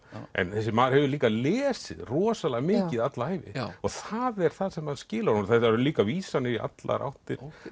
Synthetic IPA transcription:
ʔɛ̰nθɛsːɪmaːðɾhɛvʏɾliːkalɛːsɪ̰ðrɔːsalaɣmɪːcɪðat̪laaːjvɪ̰ɔɣθaðɛɾ̥θaðsɛmhaðscɪːlaɾnθaaɾʏliːkaviːsanːɪɾiʔa̰t̪la̰ɾa̰wht̪ɪɾ̥

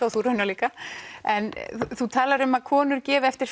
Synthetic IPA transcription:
ɔθuɾœnːaliːkaɛnθut̪ʰaːlaɾʏmaðkʰɔːnʏɾcɛːvɪɛft̪ɪɾ̥

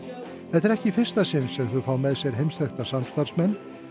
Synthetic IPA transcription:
θɛt̪ɛɾɛhcɪfɪr̥st̪asɪnsɛmθʏfaːwmɛðsjɛɾ̥ɦejmst̪ɛxt̪asamst̪aɾ̥smɛnː

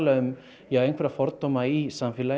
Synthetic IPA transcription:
laʏm | jɛhaejŋkfvɛɾafɔɾt̪omaisamfɪla

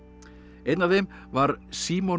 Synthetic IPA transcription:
ejt̪navθem | vaɾsiːmɔ

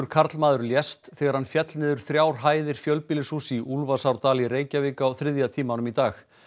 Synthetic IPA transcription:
ʏɾ̥kʰaɾt̪lmaːðʏɾljɛst̪θɛːɣaɾ̥hanfjɛt̪lnɪːðʏɾ̥θɾjaːwɾ̥ɦaːjðɪɾ̥fjœlpɪːlɪsusiʔulvasawɾt̪aːliɾeːjcavɪːkaːwθɾɪðjat̪ʰiːmanʏmit̪aːx

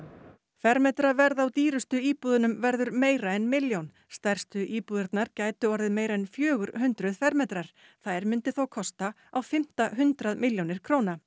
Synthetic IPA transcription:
fɛɾmɛt̪ɾavɛɾðawt̪iːɾʏst̪ʏiːpuːðʏnʏmvɛɾðʏɾmeːjɾaɛnmɪljown | st̪ɛr̥st̪ʏʔiːpuːðɪɾt̪naɾcaːjt̪ʏɔɾðɪðmeːjɾaɛnfjœːɣʏɾhʏnt̪ɾʏðfɛɾmɛt̪ɾaɾ̥ | θaðɾmʏnt̪ɪθowkʰɔst̪a | awfɪm̥t̪aɦʏnt̪ɾaðmɪljownɪɾ̥kʰɾowna

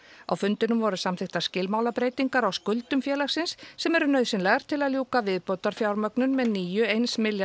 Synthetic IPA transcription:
a̰wfʏnt̪ɪnʏmvɔɾʏsamθɪxt̪ḁscɪlmaːwlapɾeːjt̪iŋkaɾawskʏlt̪ʏmfjɛːlaxsɪnsːɛmɛɾʏnœːɥðsɪnlɛɣaɾ̥t̪ʰɪlaðljuːkavɪðpowt̪aɾ̥fjawɾmœknʏnmɛðniːjʏejnsmɪlja

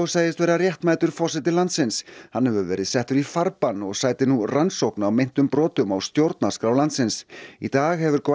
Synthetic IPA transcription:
wsaːjðɪst̪vɛːɾarjɛht̪maːjt̪ʏɾ̥fɔsɪt̪ɪlant̪sɪnshanhɛvʏvɛːɾɪðsɛht̪ʏɾifaɾpanːɔɣsaːjt̪ɪnuransowknawmejn̥t̪ʏmpɾɔːt̪ʏmawst̪jowɾt̪naskɾawlant̪sɪnsit̪aːɣhɛvʏɾk

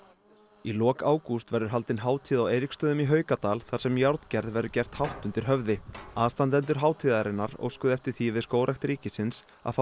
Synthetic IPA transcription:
ilɔːkaːwkust̪vɛɾðʏɾ̥ɦalt̪ɪnɦaːwt̪ʰiːðaweːjɾikst̪œːðʏmiɦœːɥkat̪aːlθaɾ̥sɛmjawɾt̪cɛɾðvɛɾʏcɛr̥t̪hawht̪ʏnt̪ɪɾ̥ɦœvðɪaːst̪ant̪ɛnt̪ʏɾ̥ɦaːwt̪ʰiːðaɾɪnːaɾo̰ːwskʏðɛft̪ɪɾ̥θivɪðskoːwɾajxt̪ɾiːcɪsɪns | a̰f

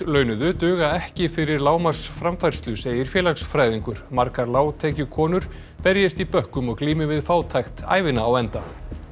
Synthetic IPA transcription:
lœːɥnʏðʏt̪ʏːɣaɛhcɪfɪɾɪɾlaːwmḁsfɾamfajɾ̥st̪lʏseːjɪɾ̥fjɛːlaksfɾaːjðiŋkʏɾ̥maɾkaɾlaːwt̪ʰɛːcʏkʰɔːnʏɾ̥ | pɛɾjɪst̪ipœhkʏmɔɣkliːmɪvɪðfaːwt̪ʰajxt̪a̰ːjvɪnaːwɛnt̪a

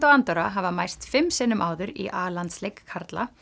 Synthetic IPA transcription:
t̪ɔwant̪œɾaɦavamajrst̪fɪmːsɪnːʏmʔaːwðʏɾḭʔaːlant̪slejkʰːaɾt̪la̰

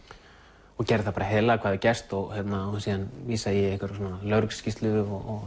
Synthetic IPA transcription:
ɔcɛɾɪθapaːɾaɦɛːðlaakʰvaðvɪcɛst̪ɔɣçjɛt̪nasiːðanviːsajɛɛhkvaɾɔnalœɾkscist̪lʏðʏɔɔɣ

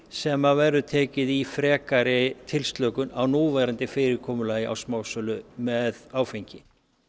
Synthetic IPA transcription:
sɛmavɛɾʏt̪ʰɛːcɪðifɾɛːkaɾɪt̪ʰɪlst̪lœkʏnawnuːvaɾant̪ɪfɪːɾɪɾkʰɔːmʏlaːjɪʔa̰wsmaːwsœlʏmɛðaːwfejɲcɪ

